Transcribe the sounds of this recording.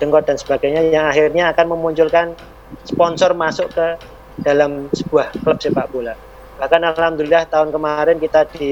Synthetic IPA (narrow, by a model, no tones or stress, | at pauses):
d̥əŋkɔd̥ansə̥b̥aɡajɲajaŋaxirɲaːkanməmuɲt͡ʃʊlkan | spɔnsɔrmasʊʔkə | d̥alamsəb̥uahkələp̚sepaʔpula | b̥ahkanalaamd̪uliaht̪aʊnkəmaɾɪnkit̪ad̥i